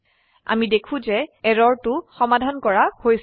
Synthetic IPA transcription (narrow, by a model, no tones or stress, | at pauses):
a̰midekʰũzɛɛɹɔɹtʊxɔmadʱankɔɹahojs